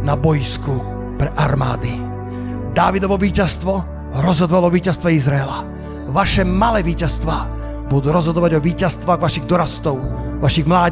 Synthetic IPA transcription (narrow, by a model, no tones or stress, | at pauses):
nabɔjsku | pɾɛʔaɾma̰ːd̪i | d̪aːʋid̪ɔʋɔʋiːcast̪ʋɔ | ɾɔzɦɔd̪ɔʋalɔʋiːcast̪ʋɛizɾaɛla | ʋaʃɛmalɛːʋiːcast̪ʋa | bud̪uːɾɔzɦɔd̪ɔʋaɟɔʋiːcast̪ʋaːɣʋaʃiɣd̪ɔɾast̪ɔʊʋaʃiɣmlaː